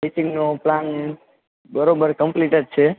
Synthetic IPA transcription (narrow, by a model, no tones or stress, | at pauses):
isiŋɡnoplan | bəɾobəɾkəmpliʈəɖ̚t͡ʃʰe